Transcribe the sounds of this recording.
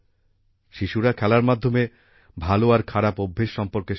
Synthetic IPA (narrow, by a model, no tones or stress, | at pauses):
ʃiʃuɾakʰɛlaɾmad̪ʱːome | bʱaloaɾkʰaɾapobʱːeʃʃɔmpoɾke